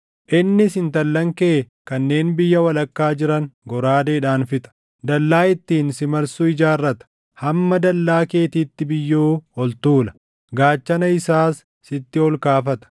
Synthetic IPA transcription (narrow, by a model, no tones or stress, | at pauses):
ʔɪnːɪsɪnt̪ɐlːɐŋke̞ː | kɐnːe̞ːnbɪjːɐwɐlɐkːaːd͡ʒɪɾɐŋɡɔɾaːd̪eːᶑaːnfɪt̪ʼɐ̥ | d̪ɐlːaːɪt̪ːiːnsɪmɐɾsʊɪd͡ʒaːrːɐt̪ɐ̥ | hɐmːɐd̪ɐlːaːke̞ːt̪iːt̪ːɪbɪjːoːhɔlt̪uːlɐ | ɡaːt͡ʃːɐnɐɪsaːsː | ɪt̪ːɪɔlkaːfɐt̪ɐ̥